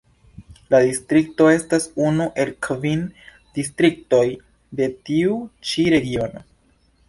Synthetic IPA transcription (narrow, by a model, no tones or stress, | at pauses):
ladistɾik̚to̞e̞stasunuʔe̞lkvin | distɾik̚to̞j | de̞tiut͡ʃiɾe̞ɡio̞no